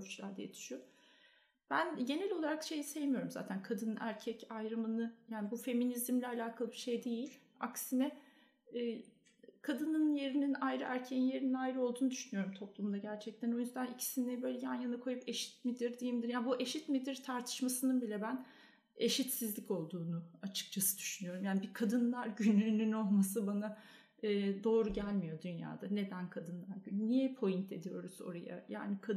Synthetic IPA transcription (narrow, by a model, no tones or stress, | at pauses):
ut͡ʃlˠaɾd̪ɛjet̪ʰy̥ʃyjo | b̥ænɟe̞nɛlʲo̞lˠaɾakʃe̞jise̞jmijo̞ɾumza̰ːt̪ʰænkʰad̪ɯnɯnʔæɾcʰɛcajɾɯmɯnɯjaːnibufe̞minizimlʲɛalʲaːkʰalˠɯbiɾʃe̞jd̪e̞jilʲ | a̰ksinɛː | kʰad̪ɯnɯnje̞ɾininajɾɯʔæɾcʰejinje̞ɾininajɾɯo̞lˠd̪uːnud̪yʃynyjo̞ɾumt̪ʰo̞plˠumd̪aɟæɾt͡ʃʰɛc̚t̪ʰæno̞jynzd̪anicʰi̥sinibø̞jlʲɛjanjanɯkʰo̞jupe̞ʃi̥t̪mid̪iɾd̪ejimd̪iɾjaːnbuʔe̞ʃit̪mid̪iɾt̪ʰaɾt̪ʰɯ̥ʃmasɯnɯnbilʲɛbæn | e̞ʃit̪sizlʲico̞lˠd̪uːnuat͡ʃʰɯ̥k̚t͡ʃʰasɯd̪̥y̥ʃynyjo̞ɾumjaːnibikʰad̪ɯnlˠaɾɟynynyno̞lˠmasɯbana | ɯːd̪o̞ːɾuɟælʲmijo̞d̪ynja̰ːd̪ane̞d̪ænkʰad̪ɯnlˠaɾɟynnijɛpʰo̞jint̪ʰe̞d̪ijo̞ɾuzo̞̰ɾa̰ja̰ja̰ːnɪkʰa